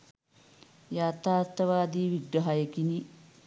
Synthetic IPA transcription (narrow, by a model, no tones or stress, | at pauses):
jaːt̪aːt̪ːɐʋaːd̪iːʋiɡɾɐɦajekini